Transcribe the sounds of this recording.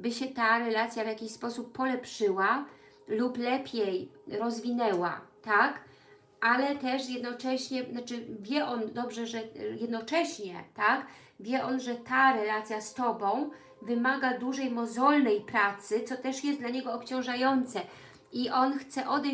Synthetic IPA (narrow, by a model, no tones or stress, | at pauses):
bɘɕɛt̪aɾɛlat̪sʲjavʲjakʲiɕspɔsupːɔlɛpʂɘwa | luplɛpʲjejɾɔzvʲinɛwa̰t̪ak | ʔalɛt̪ɛʂjɛd̪nɔt͡ʂɛɕɲɛnat͡ʂɘvʲjɛʔɔnd̪ɔbʐɛʐɛjɛd̪nɔt͡ʂɛɕɲɛt̪ak | vʲjɛʔɔnʐɛt̪aɾɛlat̪sʲjast̪ɔbɔ̃w̃ | vɘmaɡad̪uʐɛjmɔzɔlnɛjpɾat̪sɘt̪sɔt̪ɛʂjɛst̪laɲɛɡɔːpt͡ɕɔ̃w̃ʐajɔnt̪sɛ | iʔɔnxt̪sɛʔɔd̪ɛ